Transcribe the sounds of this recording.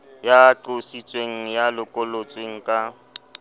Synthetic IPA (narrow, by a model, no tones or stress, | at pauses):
jaːǃʊsit͡sʼweŋ̩jalɪkʼʊlot͡sʼweŋ̩kʼa